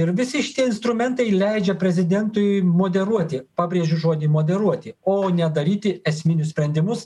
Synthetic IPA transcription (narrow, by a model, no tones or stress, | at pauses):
ɪɾʋʲɪsʲɪʃʲɪ̥t̪ʲiɛɪnst̪ɾʊmʲɛnt̪ɐɪlʲɛɪd͡ʒʲɛpʲɾʲɛzʲɪd̪ʲɛnt̪ʊjmoːd̪ʲɛɾuɔt̪ʲɪpɑːbʲɾʲeːʒʲʊʒoːd̪ʲɪmoːd̪ʲɛɾuɔt̪ʲɪoːnʲɛd̪ɐɾʲiːt̪ʲɪɛsʲmʲɪnʲʊssʲpʲɾʲɛnʲd̪ʲɪmʊs